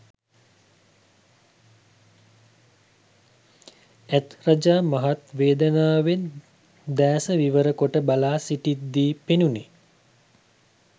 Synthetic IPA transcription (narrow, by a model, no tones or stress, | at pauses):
æt̪rad͡ʒaːmaɦat̪ʋeːd̪ənaːʋen | d̪æːsəʋiʋəɾəkoʈəbalaːsiʈit̪̚d̪iːpenuni